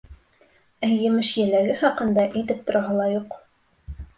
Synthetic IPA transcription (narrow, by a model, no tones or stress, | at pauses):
æjjːɘ̆mɘʃjɘ̆læɡɘχɑqɤ̆nd̪ɑʔĭt̪ɘp̚t̪ŏɾɑɦɤlˠɑjuq